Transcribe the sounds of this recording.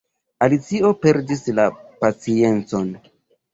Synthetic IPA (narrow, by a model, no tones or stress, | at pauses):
alit͡sio̞pe̞ɾdislapat͡sie̞nt͡so̞n